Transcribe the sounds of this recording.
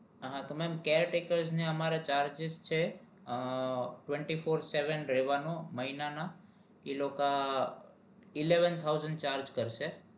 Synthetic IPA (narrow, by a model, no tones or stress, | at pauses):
ɦãt̪omɛmkeɾʈekəɾzneəmaɾat͡ʃaɾd͡ʒɪst͡ʃʰe | ʈʋẽɳʈifoɾseʋənɾɛʋanoməɦinana | iloka | ileʋənt̪ʰawzəɳɖt͡ʃaɾd͡ʒkəɾʃe